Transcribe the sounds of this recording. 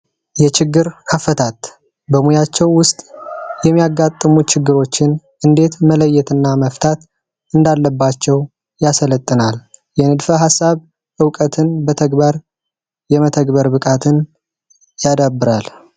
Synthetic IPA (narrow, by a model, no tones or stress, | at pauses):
jɛt͡ʃɪɡːɨɾkʰəfət̪ʰat̪ | bəmujat͡ʃːɛwːʊst̪ʼjɛmːijaɡːat̪ʼːɨmut͡ʃɪɡːɨɾo̞t͡ʃːɪnʔɨnd̪e̞t̪mələjːɛt̪ɨnːaməft̪ʰat̪ | ɨnd̪alːəbːat͡ʃːɛw | jasələt̪ʼːɨnaljɛnɨd̪fəɦasːaβ | ʔɨwkʼət̪ʰɨnbət̪ʰəɡbaɾ | jɛmət̪ʰəɡbəɾbɨkʼat̪ʰɨn | jad̪abːɨɾal